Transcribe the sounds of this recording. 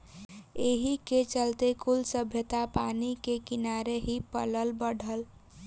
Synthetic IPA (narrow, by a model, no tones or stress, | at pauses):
eɦiket͡ʃəlt̪ekulsəbʱjət̪apanikekinaɾeɦipə̰ləlbəɽ̤ʱəl